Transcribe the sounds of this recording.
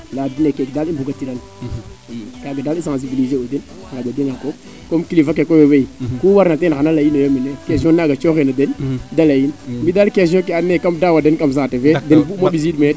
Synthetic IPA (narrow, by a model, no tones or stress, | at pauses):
ladinekekdalibuɡatiɾan | kaɡadalisãs̬ibilizeoden | ŋaɡadinako | komkilifak̬ekojoweikuwaɾnatenxanalajinojominekes̬iõnaɡat͡ʃoxenadendalajinmbidalkes̬õk̬eanekamdawadenkams̬atevedenbumaɓiz̬idme